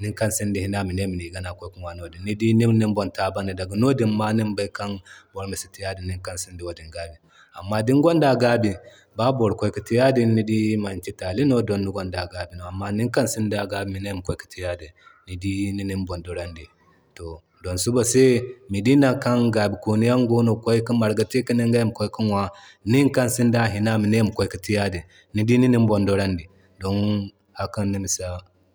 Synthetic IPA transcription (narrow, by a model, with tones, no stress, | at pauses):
ni˦ŋka˦nsi˦ndi˨hi˦na˦mi˨ne˦mi˨ni˨ɡa˦na˨ko˦ku˦nwa˨no˨di˨nːi˦di˦ni˦ni˦mbo˨nta˦ba˦ni˨da˨ɡu˨no˦di˦mma˦ni˦mba˦ka˦nbo˨ɾmi˨si̥˨˦ti˦ja˦di˨ni˦ŋka˦nsi˦ndi˨wo˨di˨ŋɡa˨˦bi˨ | a̰˨mːa˦di˦ŋɡo˦nda˨ɡa˦bi˨ | ba˦bo˨ɾkʷo˦i˦ki˨ti˦ja˦di˨nːi˦di˦ma˨nt͡ʃi˦ta˨li˦no˦do˨nːi˦ɡo˦nda˨ɡa˨˦bi˨no˨a˨mːa˦ni˦ŋka˦nsi˦ndi˨a˨ɡa˦bi˨mi˨ne˦m˨kʷo˦jki̥˨tʰi˦ja˦di˨ni˨di˦ni˦ni˦mbo˨ndo˨ɾa˦ndi˨ | to˨ | do˨nsu˦bo˨se˦mi˨di˦na˨ka˦nɡa˨bi˨ko˨ni˦ja˦ŋɡo˦no˨ko˦i˦ki˦nma˨ɾɡa˨ti˦ki˦ni˦ŋɡa˦ji˦m˨ko˦i˦ki˦nwa˨ | ni˦ŋka˦nsi˦nda˦ɦi˨na˦mi˨ne˦˨m˨ko˦i˦ki˨ti˦ja˦di˨ | ni˦di˦ni˦ni˦m˦bo˨ndo˦ɾa˦ndi˨ | do˦n | ha˦ka˦nːi˦mi˨sa˦